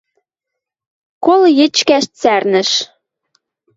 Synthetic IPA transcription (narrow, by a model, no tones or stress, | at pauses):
koljĕt͡ɕkæʃt͡særnə̆ʃ